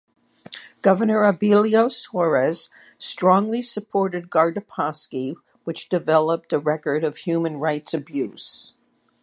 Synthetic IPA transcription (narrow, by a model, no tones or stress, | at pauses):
ɡ̥ʌvə˞nə˞əbilˠioʊswɔɹɛz̥ | stɹ̥ɔ̃ŋlisɨpʰɔɹɾɨd̚ɡɑɹdɨpʰɑski | wɨt͡ʃd̥ɨvɛlˠəp̚tɨɹɛkə˞ɾʌv̥hjʉmɨ̃nɹaɪtsɨbjʉz̥